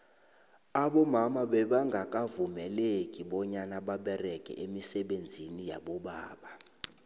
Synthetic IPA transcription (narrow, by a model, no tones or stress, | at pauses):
aɓɔmamaɓɛɓaŋɡʱak̬ʼavumɛlekʼiɓɔɲanaɓaɓɛrɛkʼɛ̰ʔemisɛɓend͡zʱinija̰ɓɔɓaːɓa